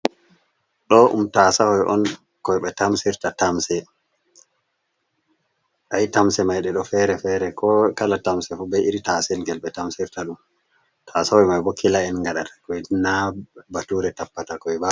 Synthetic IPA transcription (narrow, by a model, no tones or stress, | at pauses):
ɗɔʔṵmtasahɔjʔɔ̰n | kɔjɓɛtamsiɾtatamsɛ | ʔajitamsɛmajɗɛɗɔfɛɾɛfɛɾɛkɔkalatamsɛfubɛiɾitasɛlɡɛlɓɛtamsiɾtaɗum | tʰasahɔjmajbɔkʰːilaɛnŋɡaɗatḁkɔjnabatuɾɛtapːatakɔba